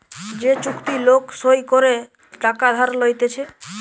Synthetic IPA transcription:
d͡ʑet͡ʃukt̪iloksojkoɾe | ʈakad̪ʱaɾlojt̪et͡ɕʰe

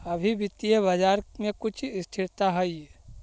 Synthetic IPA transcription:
ɐbʱibit̪iəbad͡ʒaːɾmẽkʊt͡ʃʰɪst̪ʰɪɾt̪aɦɛiɛ

